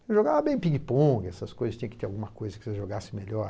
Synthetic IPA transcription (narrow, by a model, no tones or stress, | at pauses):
ʒoɡavɐbẽj̃piɡipõɡɪɛsɐskojzɐstt͡ʃĩɲɐ̃kɪt̪eɾawɡũmɐkojzɐkɪ̥seʒoɡasɪ̃meʎɔ